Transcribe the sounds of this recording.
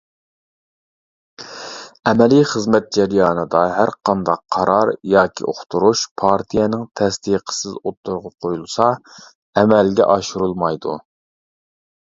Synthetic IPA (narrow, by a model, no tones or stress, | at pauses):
ɛmɛlijχəzmɛt̪̚d͡ʒɛɾjɑːnɨd̪ɑɦæɾqʰɑnd̪ɑqʰːɑɾʔɑɾjɑːkʲʰḭʔoχt̪ʰuɾuʃpʰɑɾt̪ʰijɛnɪŋt̪ʰɛsd̪iqʰə̥sɪzot̪ʰːuɾʁʊp̚qʰojulˠsɑ | ɛmɛlɡʲɛ̰ʔɑʃuɾulˠmɑjd̪ṵ